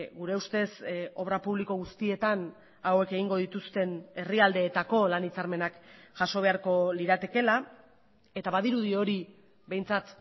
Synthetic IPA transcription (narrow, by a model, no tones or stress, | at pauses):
ɡuɾe̞ust̪e̞so̞β̞ɾapuβliko̞ɣust̪ie̞t̪an | awe̞ke̞ɣiŋɡo̞ð̞it̪ust̪e̞ne̞riald̪e̞ːt̪ako̞lanit͡saɾme̞nakʝ̥aʃo̞β̞e̞aɾko̞liɾat̪e̞ke̞la | e̞t̪aβaðiɾuðio̞ɾi | be̞jnt͡sat̪